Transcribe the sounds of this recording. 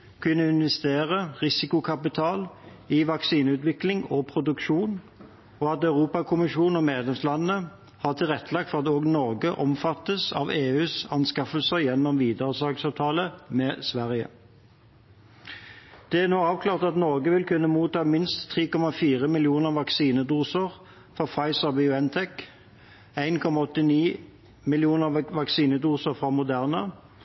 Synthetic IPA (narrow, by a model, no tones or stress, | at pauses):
kʰʉnːəɪnʋɛst̪eːʁəʁɪsɪkʊkʰɑpɪt̪ʰɑːl | ɪʋɑksiːnʉːt̪ʋɪklɪŋɔpʰʁʊd̪ʉkʃuːn | ɔɑt̪œʉʁuːpɑkʰʊmɪʃuːnɔmeːd̪lɛmslɑnːə | hɑːʁt̪ʰɪlʁɛt̪ʰːəlɑːɡfɔʁɑt̪oːɡnɔʁɡəʔɔmfɑt̪ːəsɑ̰ːʋeːʉːsɑnskɑfəlsəjɛnːɔmʋiːd̪əʁəsɑːɡsɑːʋt̪ʰɑːləmɛːsʋæʁɪə̰ | d̪̥ɛæʁnoːɑːʋkʰlɑːʁt̪ɑt̪nɔʁɡəʋɪlkʰʉnːəmuːt̪ɑːmɪnst̪ʰːʁiːkɔmɑfiːʁəmɪlɪuːnəʁʋɑksiːnəd̪uːsəʁ | fɔʁfɑɪsəʁbiʊɛnt̪ʰɛk | æɪnkʰɔmɑɔt̪ːɪniː | mɪlɪuːnəʁʋɑksiːnəd̪uːsəʁfʁɑmʊd̪æʁnə